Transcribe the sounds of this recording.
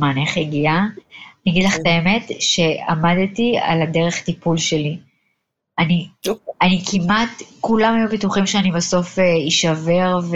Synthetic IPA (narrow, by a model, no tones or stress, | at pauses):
maːneχeɡianiɡid̪laχet̪aeme̞tʃe̞a̰madtia̰lade̞ʁeχt̪ipulʃeli | anianikʰimatkulamhajubituχimʃeanibaso̞feiʃave̞ʁv